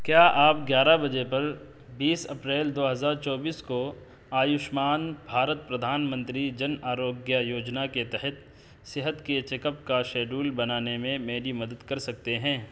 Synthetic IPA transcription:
kjaːʔaːpɡjaːɾabɐd͡ʒepɐɾ | biːsɐpɾeːld̪oːɦɐzaːɾt͡ʃɔːbiːsko | aːjʊʃmaːnbʱaːɾət̪̚pɾɐd̪ʱaːnmə̃nt̪ɾid͡ʒɐnaːɾoːɡjajoːd͡ʒnaket̪ɛɦɛt̪ | sɪɦət̪ket͡ʃekəpkaʃeːɖuːlbɐnaːnemẽmeːɾimɐd̪əd̪kɐɾsɐk̚t̪eɦɛ̃ː

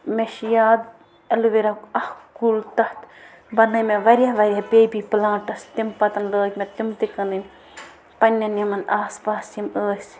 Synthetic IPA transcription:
meʃjaːd̪ | ɐlʋiɾɐkɐhkult̪ɐht̪ | bɐnɐmeʋɐɾʲjaʋɐɾʲjahpeːbiplãːʈɐst̪impɐt̪ɐnləːkʲmet̪imt̪ikɐnɨm | pɐnʲːɐnjɐmɐnaːspaːsiməːsʲ

